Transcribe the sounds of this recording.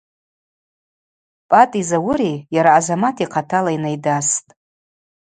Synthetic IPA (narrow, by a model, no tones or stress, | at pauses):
pʼatʼizawʊɾijaɾaːzamatʰiqʰatʰalainajdastʼ